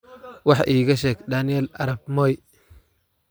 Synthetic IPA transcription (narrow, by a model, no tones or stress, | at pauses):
wɑħʔiːɣɐʃɛːɡd̪aːnɪjɛlɐɾɐb̚mɔj